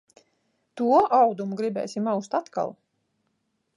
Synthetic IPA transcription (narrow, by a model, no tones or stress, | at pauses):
t̪uɔʔawd̪umuɡɾibɛ̰ːsimawst̪at̪ka̰lˠ